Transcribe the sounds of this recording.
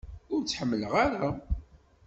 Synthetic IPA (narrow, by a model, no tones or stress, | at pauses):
ʊɾt͡sːħəmːələʁaɾa